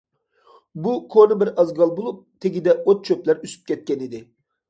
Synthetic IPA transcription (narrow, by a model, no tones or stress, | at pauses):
bukʰonɨbɪɾɑzɡɑlˠbolˠup̚t̪ʰeɡʲid̪ɛot̪̚t͡ʃʰøplæɾysy̥p̚kʲʰɛt̪̚kʲɛnid̪ɪ